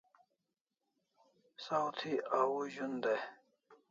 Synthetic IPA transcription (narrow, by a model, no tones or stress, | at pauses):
sawt̪ʰiawuʑund̪e